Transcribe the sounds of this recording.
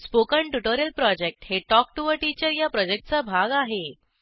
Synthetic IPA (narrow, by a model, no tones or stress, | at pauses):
spokəɳʈuʈoɾijəlpɾɔd͡ʑek̚ʈheʈɔk̚ʈuʋəɾʈit͡ɕəɾjapɾɔd͡ʑek̚ʈ̚t͡sabʱaɡaɦe